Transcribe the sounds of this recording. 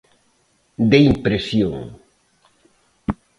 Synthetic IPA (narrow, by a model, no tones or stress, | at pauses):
d̪eimpɾesjoŋ